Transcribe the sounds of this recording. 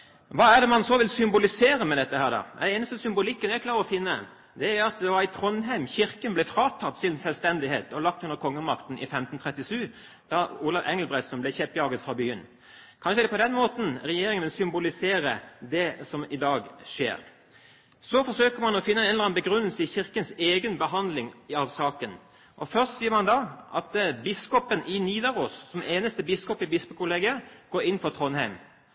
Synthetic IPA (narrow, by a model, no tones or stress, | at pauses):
ʋɑːæd̪ɛmɑnsɔʋɪlsʏmbʊlɪseːɾəmɛd̪ɛt̪ːəhæːɾd̪ɑ̰ːɛ̰d̪ɛeːnəst̪ɔsʏmbʊlɪkːənæklɑːɾəɾɔfɪnːə | d̪ɛæɾɑt̪̚d̪ɛʋɑɾɪt̪ʰɾɔnɦæɪmçɪɾkənblɛfɾɑːt̪ʰɑt̪ːsɪnsɛlʋst̪ɛnd̪ɪheːt̪ɔlɑk̚t̪ʉnd̪əɾkʰɔŋːəmɑkt̪nʔɪ̰fɛmt̪n̩t̪ʰɾɛt̪ːɪʂʉː | d̪̥ɑuːlɑʋʔɛŋlbɾɛt̪sɔnmblɛçɛpːjɑːɡət̪fʁɑbyːə̰n | kʰɑnʃəd̪ɛpɔd̪ɛnmoːt̪n̩ɾɛjeːɾɪŋənʋɪlsʏmbʊlɪseːɾəd̪ɛsɔmɪd̪ɑːɡʂḛːɾ | sɔfɔʂøːkəɾmɑnɔfɪnːəɛnɛnləɾɑnbəɡɾʉnːəlsəɪçɪʁkənseːɡənbəɦɑnd̪lɪŋɪɑʋsɑːkən | ʔɔfœʁst̪siːəɾmɑnd̪ɑʔɑ̰t̪bɪskɔpənʔɪniːd̪ɑɾʁoːssɔmeːnəst̪əbɪskɔpɪbɪspəkʰʊleːɡɪəɡ̥oːɾɪnːfɔt̪ʰʁɔnhæɪm